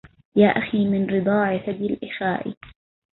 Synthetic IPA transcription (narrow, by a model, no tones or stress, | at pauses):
jaːʔaxiːmɪnɾɨd̪ˤɑːʕɪfad̪alʔɪxaːʔɪ̰